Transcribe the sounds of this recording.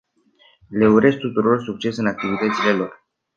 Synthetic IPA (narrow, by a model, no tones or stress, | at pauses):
le̞uɾe̞s̚t̪ut̪uɾo̞rsuk̚t͡ʃe̞sɨnak̚t̪ivit̪ət̪sile̞lo̞r